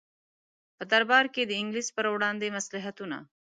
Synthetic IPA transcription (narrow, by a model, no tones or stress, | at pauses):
pəd̪aɾbɑɾked̪əɪŋɡliʃpəɾwɽɑːnd̪emaslaɦat̪una̰